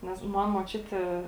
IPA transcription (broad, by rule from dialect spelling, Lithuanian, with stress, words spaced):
ˈnʲɛs ˈmɐn muɔt͡ʃʲʊtʲeː